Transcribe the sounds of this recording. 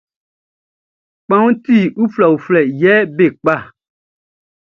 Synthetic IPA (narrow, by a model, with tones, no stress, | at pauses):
k͡pã˦ŋu˦ti˦˨u˦fla˨wu˨flɛ˨jɛ˨˦be˦˨k͡pa˦˨